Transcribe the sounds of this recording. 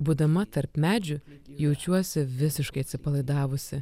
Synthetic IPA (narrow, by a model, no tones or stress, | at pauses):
buːd̪ɐmɐt̪ɐɾpmʲæːd͡ʒʲʊjɛʊt͡ʃʲuɔsʲɪʋʲɪsʲɪʃkɐɪɐt̪sʲɪpɐlˠɐɪd̪ɑːʋʊsʲɪ